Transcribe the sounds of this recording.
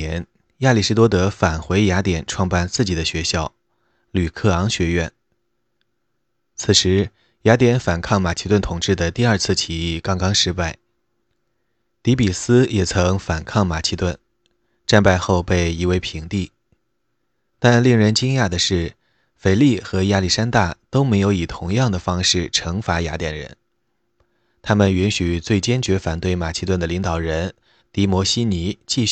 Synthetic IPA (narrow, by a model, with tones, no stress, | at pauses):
ɛ˧˥n | ja˥˧li˥˩ʂɻ̩˥t̪wɔ˥t̪ɤ˧˥fa˨˩nxwe˧˥ɪja˧˥t̪jɛ˨˩nʈ͡ʂʰwɑ˥˧ŋpa˥˧nt͡sɹ̩˥˩t͡ɕi˨˩d̪ə˦ɕɥɛ˧˥ɕjɑ˥˩ʊ | ly˨˩kʰɤ˥˩ɑ˧˥ŋɕɥɛ˧˥ɥɛ̰˥˩n | t͡sʰɹ̩˨˩ʂɻ̩˧˥ | ja˧˥t̪jɛ˧˥nfa˨˩nkʰɑ˥˩ŋma˨˩t͡ɕʰi˥t̪wa˥˩nt̪ʰʊ˨˩ŋʈ͡ʂɻ̩˥˩d̪ə˩t̪i˥˧ɐ˞˥˧t͡sʰɹ̩˥˩t͡ɕʰi˧˥i˥˩kɑ˥ŋkɑ˥ŋʂɻ̩˥pa˥˩ɪ | t̪i˧˥pi˨˩sɹ̩˥jɛ˨˩t͡sʰɤ˧˥ŋfa˨˩nkʰɑ˥˩ŋma˨˩t͡ɕʰi˧˥t̪wa˥˩n | ʈ͡ʂa˥˧npa˥˧ɪxo˥˧ʊpe˥˩ɪi˧˥we˥˧ɪpʰi˧˥ŋt̪i˥˩ | t̪a˥˧nli˥˩ŋɻə˧˥nt͡ɕi˥ŋja˥˩d̪ə˩ʂɻ̩˥˩ | fe˨˩ɪli˥˩xɤ˧˥ja˥li˥˩ʂa˥nt̪a˥˩t̪o˥ʊme˧˥ɪjo˧˥ʊi˨˩t̪ʰʊ˧˥ŋjɑ˥˩ŋd̪ə˩fɑ˥ŋʂɻ̩˥˩ʈ͡ʂʰɤ˧˥ŋfa˧˥ja̰˧˥t̪jɛ˨˩nɻə̰˧˥n | t̪ʰa˥mə˨ny˧˥nɕy˨˩t͡swe˥˩ɪt͡ɕjɛ˥nt͡ɕɥɛ˧˥fa˨˩nt̪we˥˩ɪma˨˩ɕʰi˥t̪wa˥˩nd̪ə˩li˧˥ŋt̪ɑ˨˩ʊɻə˧˥n | t̪i˧˥mwɔ˧˥ɕi˥ni˧˥t͡ɕi˥˧ɕ